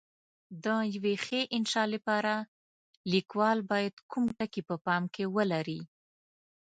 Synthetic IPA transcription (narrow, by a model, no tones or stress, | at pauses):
d̪əjawexeʔɪnʃɑlepɑɾa | likwɑlbɑjad̪kumʈakipəpɑmkewəlaɾi